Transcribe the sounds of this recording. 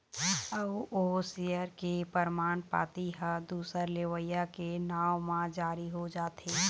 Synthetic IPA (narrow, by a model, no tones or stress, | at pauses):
əʋoːsijəɾkepəɾmaːnpa̰ːt̪iɦəd̪uːsəɾleːʋəjakenaːwmãd͡ʒaːɾiɦod͡ʒaːt̪eː